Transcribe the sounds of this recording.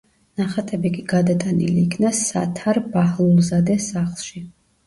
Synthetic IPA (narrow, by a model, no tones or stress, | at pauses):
naχat̪ʼɛbikʼiɡad̪at̪ʼanḭliːkʰnasa̰t̪ʰaɾbahlˠulˠzad̪ɛsaχlˠʃi